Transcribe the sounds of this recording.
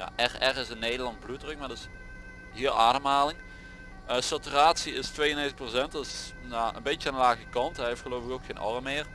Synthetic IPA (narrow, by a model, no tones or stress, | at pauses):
ja̰ːʔɛrɛrɪsənːejdəlɑntblutrək̚madɪs | ɦɪəlˠʔaːɾəmɦaːlɪŋ | əsatyraːtsiɪstʋejənetprosɛntɑtɪs | jaʔə̰nbet͡ʃəaːndəlaːɣəkɑntɛjɦeftxəloːfɪkowkxeːnʔɑ̰rəmːɪːr